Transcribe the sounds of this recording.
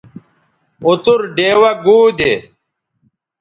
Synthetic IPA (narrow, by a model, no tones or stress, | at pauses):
ut̪uɾɖeːwɐɡuːd̪e